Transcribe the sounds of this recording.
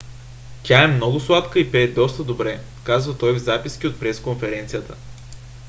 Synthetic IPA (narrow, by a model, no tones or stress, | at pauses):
t̪ʲaɛmnɔɡʊslˠat̪kəipɛd̪ɔst̪əd̪obɾɛ | kazvət̪ɔjvzapiskʲiot̪̚pɾɛskonfɛɾɛnt̪sijət̪ə̥